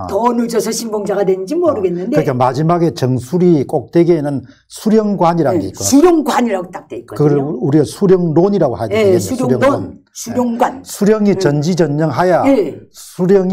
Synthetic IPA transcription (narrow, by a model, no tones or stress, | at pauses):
tʌnud͡ʑʌsʰʌɕʰimboŋd͡ʑaɡadwend͡ʑimʌɾɯɡe̞nːɯnd̪eɯɾkʰemad͡ʑimaɡe̞t͡ɕʌŋsʰuɾik͈ok̚t͈we̞ɡenɯn | sʰuɾjʌŋɡwaɲiɾaɡoitk͈osuɾjoŋɡwaɲiɾaɡot͈ak̚t͈wek͈okɯɡʌɭuɾiɡasʰuɾjʌŋdoɲiɾaɡohajdeujouɾjʌŋo | sʰuɾjoŋɡwansʰuɾjʌŋit͡ɕʌnd͡ʑid͡ʑʌɲːʌŋɦajaesʰuɾjʌŋi